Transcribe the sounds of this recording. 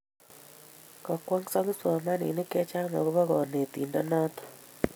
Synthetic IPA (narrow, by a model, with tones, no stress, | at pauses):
kɔ˨kwɔ˦ŋsɔ˦ŋ˦swɔ˨ma˦nḭ˨nɪ˦ke˦t͡ʃa˦ŋɔ̰˨ɣβɔ˦ɡɔ˨ne˨t̪i˨ndɔ˦nɔ˦t̪ɔ̥˨